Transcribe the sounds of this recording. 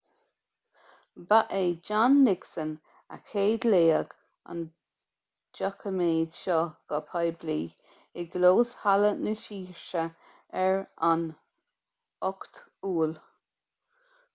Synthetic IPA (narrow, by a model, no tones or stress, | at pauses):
baʔed͡ʒanːɪksən | a̰kʰeːd̪leːəɡ | a̰n | d͡ʒakʰəmeːd̪ʃɔɡ̥ɔpʰajbliː | ɪɡloːshalənəʃiːɹʃə | ɛɹan | ɔkt̪uːl